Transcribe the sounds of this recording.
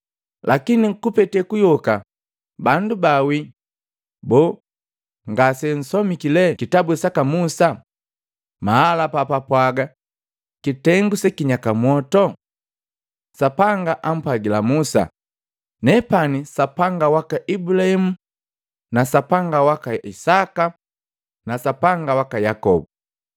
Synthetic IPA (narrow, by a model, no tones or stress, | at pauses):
lʔakiniŋkupɛtɛkujɔka | bandubawi | bɔː | ŋɡasɛn̩sɔmikilɛkitabusakamusa | maalapapapwaɡa | kitɛŋɡusɛkiɲakamwɔtɔ | sapaŋɡaʔam̩pwaɡilamusa̰ | nɛpanisapaŋɡawakaʔibulahimu | nasapaŋɡawakaisaka | nasapaŋɡawakajakɔ̰bu